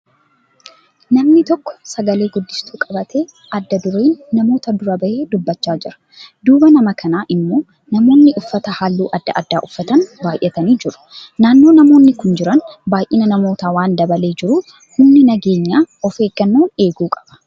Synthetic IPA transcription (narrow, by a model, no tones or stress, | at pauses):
nɐmnɪt̪ɔkːɔ̥sɐɡɐle̞ːɡʊd̪ːɪst̪uːkʼɐbɐt̪ʰe̞ː | ɐd̪ːɐd̪ʊɾeːnːɐmo̞ːt̪ɐd̪ʊɾɐbɐʔeːd̪ʊbːɐt͡ʃːaːd͡ʒɪɾɐ̥ | d̪uːbɐnɐmɐkʰɐnaːʔɪmːo̞ː | nɐmo̞ːnːɪʔʊfːɐt̪ɐhaːlːṵːʔɐd̪ːɐ̰ʔɐ̰d̪ːa̰ːʔʊfːɐt̪ɐnbaːjʔɛt̪ɐniːd͡ʒɪɾʊ̥naːnːo̞ːnɐmo̞ːnːɪkʊnd͡ʒɪɾɐnbaːjʔɪnɐnɐmo̞ːt̪aːwaːnd̪ɐbɐle̞ːd͡ʒɪɾuː | hʊnːɪnɐɡe̞ːɲːaːɔfe̞ːɡːɐnːoːne̞ːɡuːkʼɐ̥b̥ɐ̥